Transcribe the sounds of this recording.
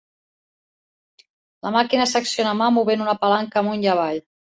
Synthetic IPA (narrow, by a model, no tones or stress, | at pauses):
lamakinəsəksionamamuβenunapalaŋkamunʎaβaʎ